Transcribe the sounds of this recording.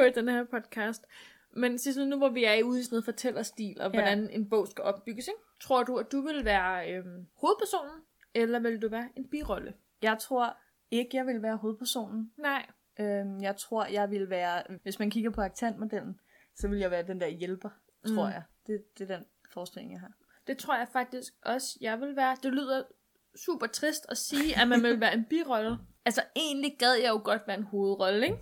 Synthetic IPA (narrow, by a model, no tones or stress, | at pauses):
ɔid̥enəheɐpʰɒ̽d̥kʰɑːsd̥ | mensisnːuʋɒʋiæeuðˠisneð̩ˠfɒ̽t͡sʰel̰ɐsd̥ḭːlɒ̽ʋɒɾæne̝nb̥ɔ̰̽ʊ̰sɡ̥æʔɒ̽b̥ːyɡ̥əseɡ̥t͡sʰʁo̝ɐ̰d̥uæ̥d̥uʋe̝lʋæːɐømho̝ːð̞̩ˠpʰæɐso̝̰ːnn̩ | elɐʋe̝ld̥uʋæːɐʔe̝nb̥iːʁɒ̽lə | jɑ̈ɪt͡sʰʁo̝ɐ̰ | e̝ɡ̥əjɑ̈ɪʋe̝lʋæːɐɦo̝ːð̞̩ˠpʰæɐso̝̰ːnn̩nɑ̰ | ømjɑ̈ɪt͡sʰʁo̝ɐ̰jɑ̈ɪʋe̝lʋæːɐʋe̝smænkʰiɡ̥ɐpʰɒɑɡ̥̚t͡sʰæn̰d̥mo̝d̥el̰n̩ | sɒ̽ʋe̝ljɑ̈ʋæːɐd̥end̥æɐjelb̥ɐ | t͡sʰʁo̝ɐ̰jɑ̈ɪd̥e̝d̥e̝ɐd̥en | fɒːsd̥e̝le̝ŋjɑ̈ɪɦɑ̈ː | d̥e̝t͡sʰʁoɐ̰jɑ̈ɪfɑ̈ɡ̥̚d̥isɡ̥̚ɒ̽səjɑ̈ɪʋe̝lʋæːɐd̥e̝lyð̞̰ˠɐ | sṵːb̥ɐt͡sʰʁisd̥ɒsiːæmænʋe̝lʋæːɐe̝nb̥ḭːʁɒ̽lə | ælsɐe̝̰ːnliɡ̥ɛð̞ˠjɑ̈ɪjo̝ɡ̥ɒ̽d̥ʋæːɐe̝nho̝ːð̞̩ˠʁɒ̽ləeɡ̥